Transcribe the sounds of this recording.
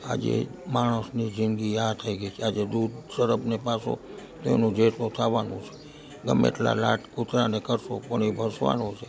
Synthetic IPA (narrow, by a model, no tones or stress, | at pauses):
a̰d͡ʒḛmaɽ̃əsnid͡ʒɪnɡiat̪ʰəiɡəit͡ʃʰead͡ʒed̪ud̪ʱsəɾəpnepaso̰t̪oḛnũd͡ʒet̪ot̪ʰaʋanṵ̃t͡ʃʰe̥ | ɡəmḛʈla̰laʈkut̪ɾanekəɾso̰pəɳ̃ibʱəsʋa̰nõt͡ʃʰe